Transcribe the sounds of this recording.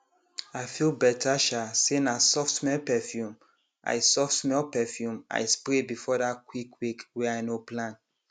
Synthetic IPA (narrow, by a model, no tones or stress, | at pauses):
aɪfilbɛtʰaʃasenasɔftmɛlpɛfjũm | ʔa̰ɪsɔfsmɛlpɛfjũma̰ɪspɾebifɔdatkwikwikwɛaɪnoplãn